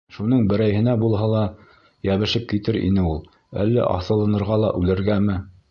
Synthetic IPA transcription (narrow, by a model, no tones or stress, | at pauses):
ʃunɤɴbɘ̆ɾæjɦɘ̆næbulˠɦɑlˠɑ | jæβɘ̆ʃɘp̚kit̪ɘɾḭnɘulˠ | æ̰lːæ̰ʔɑ̰θɤ̆lˠɤ̆nɤ̆ɾʁɑlˠɑʔʉlɘ̆ɾɡæmɘ